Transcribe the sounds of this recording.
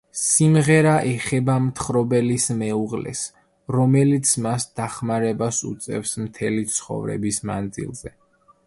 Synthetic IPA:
simʁɛɾaʔɛχɛbamt̪ʰχɾɔbɛlismɛuʁlɛ̰s | ɾɔmɛlit̪sʰmasd̪̥aχmaɾɛbasṵt̪sʼɛ̰fsmt̪ʰɛlit̪sʰχɔ̰vɾɛ̰bisma̰nd̪zḭlˠzɛ

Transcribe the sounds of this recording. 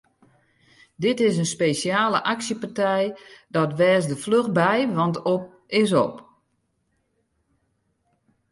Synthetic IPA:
dɪtɪs̬ənspeːsjaːləʔaksjəpartɛjdɔtʋɛːsdəfløxbɛjʋɑntop̚ | ɪsɔ̰p

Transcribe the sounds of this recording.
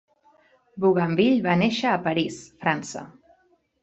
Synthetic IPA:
buɣambiʎβaneʃəːpəɾisfɾansə̰

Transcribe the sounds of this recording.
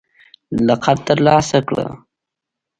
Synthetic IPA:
laqaɾt̪əɾlɑːsakɽə̰

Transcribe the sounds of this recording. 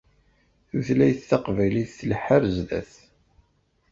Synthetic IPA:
θuθlæjθθaqvæjliθːəlħəɾzðæ̰θ

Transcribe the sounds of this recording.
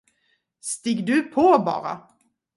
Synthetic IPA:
st̪ɪɡd̪ɵpʰoːbɑ̰ːɾa̰

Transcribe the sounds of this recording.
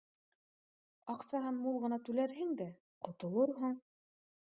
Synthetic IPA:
ɑqsɑɦɤnmulˠʁɤ̆nɑt̪ʉlæɾɦɘŋd̪æ | qŏt̪ŏlˠɤɾɦuɴ

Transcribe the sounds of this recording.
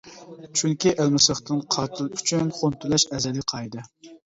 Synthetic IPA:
t͡ʃʰyŋkʲiʔælmɪsəχt̪ɨnqʰɑɾt̪ʰɨlˠyt͡ʃʰynχont̪ʰulɛʃɛzɛlɪqʰɑjd̪ɨ

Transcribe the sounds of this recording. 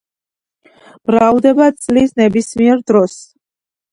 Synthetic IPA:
b̥ɾavd̪ɛbat̪sʼlisnɛbismiɛɾd̪ɾɔs

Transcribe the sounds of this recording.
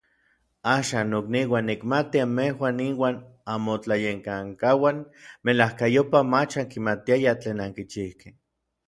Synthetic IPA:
aːʃaːnːokniwanːikmat̪iamehwaːniwaːn | amot͡ɬajeŋkaŋkawanmelahkajopamat͡ʃaŋkimat̪iajat͡ɬeːnaŋkit͡ʃihke̥

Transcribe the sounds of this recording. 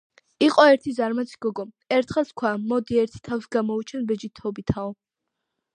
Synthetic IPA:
iqʼɔɛɾt̪ʰizaɾmat̪sʰi̥ɡ̥ɔɡɔ | ɛɾt̪ʰχɛlˠskʰwamɔd̪iɛɾt̪ʰi̥t̪ʰawsɡamɔut͡ʃʰɛnbɛd͡ʒit̪ʰɔbit̪ʰaɔ

